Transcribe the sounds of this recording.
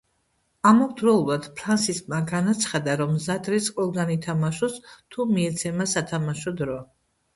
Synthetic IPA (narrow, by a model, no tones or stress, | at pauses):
amɔɡd̪ɾɔulˠvad̪pʰɾansiskʼmaɡanat̪sʰχad̪aɾɔmzat̪ʼɾisqʼwɛlˠɡanit̪ʰamaʃɔst̪ʰumiɛt̪sʰɛmasat̪ʰamaʃɔd̪ɾɔ